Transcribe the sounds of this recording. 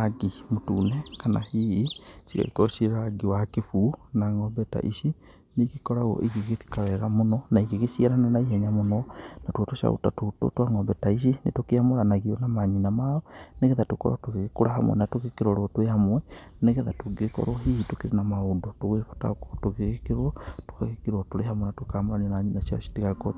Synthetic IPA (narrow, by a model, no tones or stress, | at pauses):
ɡimotunɛkana̰hiit͡ʃika̰ikɔʃeɾaɡiwakefuːnaŋɔmbɛta̰ʔiʃi | nekikɔɾaɣɔ̰ʔiɣeɣeti̥kawɛɣamonɔnaiɣeɣesiaɾananaiɦɛɲamonɔnatwatoʃa̰ṵtatoto̰twaŋɔmbɛtaiʃ̬inetokeamoɾanaɣiɔnamaɲinamaɔneɣeðatokɔ̰ɾɔtoɣeɣekoɾaɦamwɛ̰natoɣekeɾɔɾwɔtwehamwɛneɣeðatoɡekɔ̰ɾwɔɦiitokeɾenamaodɔtoɣefḁta̰ko̥toɣeɣekeɾwɔto̥kaɣekeɾwɔtoɾeɦamwɛnatwkaamoɾannaɲinasiɔsi̥tiɣako